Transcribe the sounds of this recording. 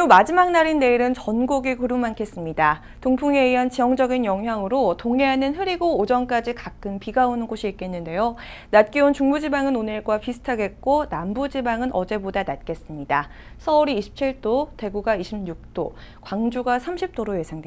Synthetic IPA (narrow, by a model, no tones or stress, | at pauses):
umad͡ʑimaŋ̚naɾinːe̞iɾɯnt͡ɕʌnɡoɡikɯɾumːankʰe̞s͈ɯmɲida | toŋpʰuŋe̞iant͡ɕijʌŋd͡ʑʌɡinjʌŋɦjaŋɯɾotoŋeɦanɯnɦɯɾiɡoːd͡ʑʌnk͈ad͡ʑikak͈ʰɯnpiɡaonɯnɡoɕʰiik̚k͈e̞nːɯnde̞jo | nat̚k͈iunt͡ɕuŋbud͡ʑibaŋɯnonɯɭɡwapisʰɯ̥tʰaɡe̞t̚k͈onambud͡ʑibaŋɯnʔʌd͡ʑe̞bodanat̚k͈e̞s͈ɯmɲida | sʰʌuɾiːɕʰi̥p̚t͡ɕʰiɭt͈ote̞ɡuɡaiɕʰimɲuk̚t͈o̰ | kwaŋd͡ʑuɡasʰamɕʰip̚t͈oɾoje̞sʰaŋde